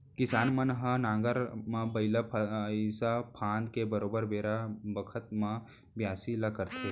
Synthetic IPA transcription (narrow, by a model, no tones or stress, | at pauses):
kɪsaːnmɐnɦɐnãːŋɡəɾmãbɐɪləpʰsapʰãːnd̪kebəɾoːbəɾbeːɾabəkʰət̪̚mã | bjaːsilakəɾt̪ʰe